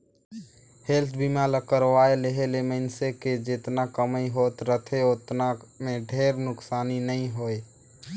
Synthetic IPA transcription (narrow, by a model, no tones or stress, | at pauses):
helt̪ʰbimaləkːəɾwaeleɦeleməɪnseked͡ʒet̪nakəməiɦot̪ɾət̪ʰeot̪namẽɖʱeːɾnʊksaːninəĩɦoe